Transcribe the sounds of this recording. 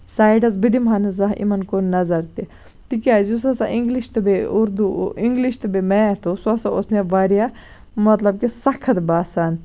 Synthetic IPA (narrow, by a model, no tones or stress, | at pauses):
saːjɖɐz̬bid̪imɦanɐzɐɦʔḭmɐnkoːnːɐzɐɾt̪i | t̪ikiaːzus̬ɐsaʔiŋɡliʃt̪ɨbeuɾd̪uiŋɡliʃt̪ɨbemet̪ʰosuɐsao̰sneʋaɾija | mɐt̪lɐb̚kesɐkʰɐt̪baːsan